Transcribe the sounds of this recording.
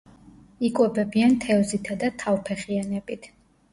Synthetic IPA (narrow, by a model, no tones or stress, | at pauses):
ikʼwɛbɛbiant̪ʰɛɔzit̪ʰad̪at̪ʰavpʰɛχianɛbit̪ʰ